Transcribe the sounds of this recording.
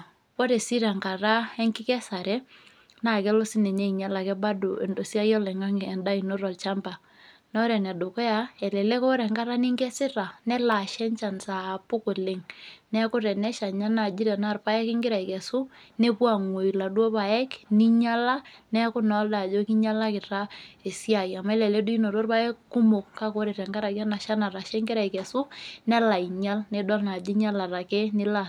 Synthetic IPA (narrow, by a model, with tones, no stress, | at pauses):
ko˦ɾɛ˨si˦ɾa˨ŋka˨ɾa˦ɛ˦ŋkɪ˦kɛ˦sa˨ɾɛ˦ | na˦˨kɛ˦lo˦sɪ˦nɛ˨ɲe˦i˨ɲa˦la˨kɛ˦ba˦do˨e˨ndo˨sja˦jɔ˦lɛ˨ŋa˦ŋ˨ɛ˨nda˦i˨no˦ɾɔ˨lt͡ʃa˦mba˨ | nɔ˦ɾɛ˨na˨do˨kɔ˦ja˦ɛ˨lɛ˨lɛ˦kɔ˦ɾɛ˨ŋɡa˦ɾa˦ni˦ŋɡɛ˦sɪ˦ɾa˨nɛ˦la˨ʃɛ˦ɲt͡ʃa˨nsa˨pʊ˦kʊ˨lɪ˨ŋnɛ˦kʊ˦ɾɛ˨nɛ˦ʃa˨ɲa˦na˨d͡ʒɪ˦ɾɛ˨na˦˨rpa˦jɛ˦kɪ˦ŋɡɪ˦ɾa˨i˨kɛ˨sʊ˦ne˦kwa˨ŋwo˨i˨la˨dwo˦pa˨jɛ˦kni˦ɲa˦la˦nɛ˦kʊ˦nɔ˨˦lda˨d͡ʒo˦ki˦ɲa˦la˦kɪ˨ɾa˦e˨sja˨i˨a˨ma˦ɛ˦lɛ˨lɛ˦dʊ˦i˦no˨ɾo˦rpa˦ɛ˦kkːʊ˦mo˨kka˦ko˦ɾe˨ɾɛ˨ŋɡa˦ɾa˨kja˦na˨ʃa˦na˨ɾa˨ʃɛ˦ŋɡɪ˦ɾa˨i˨kɛ˨sʊ˦nɛ˦la˨i˨ɲa˦lnɛ˦dɔ˦lna˨d͡ʒɪ˦ɲa˦la˨ɾa˨kɛ˦nɪ˦la˦˨